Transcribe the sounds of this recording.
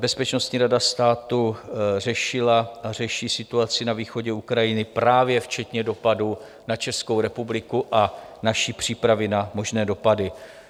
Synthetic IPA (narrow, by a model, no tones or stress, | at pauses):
bɛspɛt͡ʃno̞st̪ɲiːɾadast̪aːt̪ur̝ɛʃɪlaar̝ɛʃiːsɪt̪uat͡sɪnaviːxo̞ɟɛukɾajɪnɪpɾaːvjɛft͡ʃɛt̪ɲɛdo̞padu | nat͡ʃɛsko̞wɾɛpublɪkuʔa | naʃipr̝̥iːpɾavɪnamo̞ʒnɛːdo̞padɪ